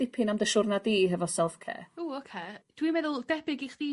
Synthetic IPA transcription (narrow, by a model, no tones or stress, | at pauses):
dɪpʰɪnamdəʃʊrnadiːɦɛvɔsɛlˠfkʰḛːuːokʰeːd̥wimɛðʊlˠdɛbɪɡiχd̥i